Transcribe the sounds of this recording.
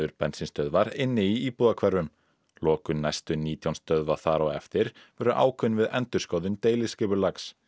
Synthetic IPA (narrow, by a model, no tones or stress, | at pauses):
ʏɾpɛnsɪnst̪œðvaɾɪnːɪiiːpuːðakʰvɛrːʏm | lɔːkʏnajst̪ʏniːt̪ʰjawnst̪œðvaθaːɾɔɛ̰ft̪ɪɾ | vɛːɾʏʔa̰ːwkʰʏnvɪðɛnt̪ʏɾ̥skoːwðʏnt̪eːjlɪscɪːpʏɾlaks